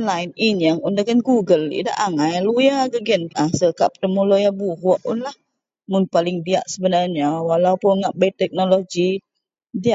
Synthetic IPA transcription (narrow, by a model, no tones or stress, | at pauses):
nlajninjaŋundaɡanɡuɡəlḭda̰ʔaŋajlujaɡəɡɛnasəkaʔp̚ət̪əmulojabuɦuʔʊnlah | mʊnpalɪŋdiaʔsəbənarɲawalaupʊnŋaʔbəit̪ɛk̚nolod͡ʒi | diaʔ